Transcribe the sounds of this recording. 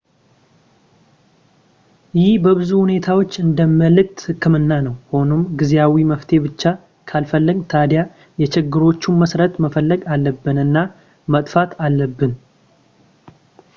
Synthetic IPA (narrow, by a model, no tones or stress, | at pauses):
jɪhbəβɨzuhune̞t̪ʰawo̞t͡ʃːɨnd̪əmːəlɨk̚t̪hɨkʰːɨmɨnːanəwho̞no̞mɡɨzeawiməft̪ʰe̞bɨt͡ʃːa | kʰalfəlːəɡt̪ʰad̪ja | jɛt͡ʃɪɡːɨɾo̞t͡ʃːuməsɾət̪məfəlːəɡalːəbːɨnɨnːa | mət̪ʼfat̪ʰalːəbːɨn